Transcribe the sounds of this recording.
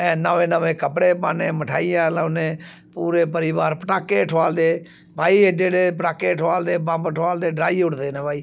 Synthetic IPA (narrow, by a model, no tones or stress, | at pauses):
ɛ̃ːnəʋẽːnəʋẽːkəpɽeːpaːneːməʈʰaːɪjãːlãnẽːpuːɾeːpəɾɪʋaːɾpəʈaːkeːʈʰʋaːld̪eː | bʱaːiːed͡ʒeːɽeːpəʈaːkeːʈʰaːld̪eːbãmbʈʰʋaːld̪eːɖɾaːiːʊɽd̪eːnɛ̃ːbʱaːiː